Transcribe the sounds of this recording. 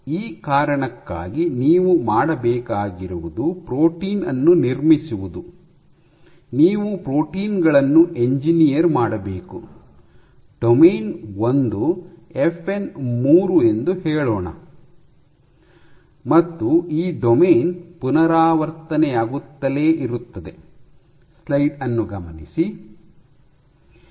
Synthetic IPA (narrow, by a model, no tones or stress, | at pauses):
iːkaːɾɐɳɐkːa̰ːɡiniːʋumaːɽɐbɛːkaːɡiɾuʋud̪upɾoːʈiːnɐ̰nːuniɾmisuʋud̪u | niːʋupɾo̞ːʈiːnɡɐɭɐnːuʔe̞ɲd͡ʒinijɐɾmaːɽɐbeːku | ɖ̥omeːnond̪uefʰe̞nmuːɾue̞nd̪uheːɭɔːɳɐ̰ | mɐt̪ːuiːɖomeːnpunɐɾaːʋɐɾt̪ɐnɛjaːɡut̪ːɐleːʔiɾut̪ːɐd̪e̞ | slɐjɖɐnːuɡɐmɐnisi